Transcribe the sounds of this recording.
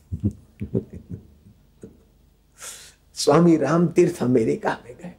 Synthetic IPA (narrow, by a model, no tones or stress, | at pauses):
swaːmiɾaːmt̪ɪɾt̪ʰameːɾekaːmeɡɐɦ